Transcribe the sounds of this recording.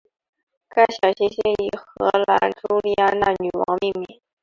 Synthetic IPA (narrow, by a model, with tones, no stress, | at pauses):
ka˥˩ɪɕjɑ˨˩ʊɕi˥ŋɕɛ˥ni˨˩xɤ˧˥la˧˥nʈ͡ʂu˥li˥˧a˥˧na̰˥˩ny˨˩wɑ̰˧˥ŋmi˥˧mi˥˨˩